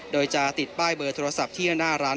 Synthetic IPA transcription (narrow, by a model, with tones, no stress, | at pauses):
doː˧jt͡ɕa˧˩t̪i˨˩t̪̚baː˥˩jbɤː˧t̪ʰoː˧ɾa˧sa˨˩p̚t̪ʰiː˥˩˧naː˥˩ɾaː˦˥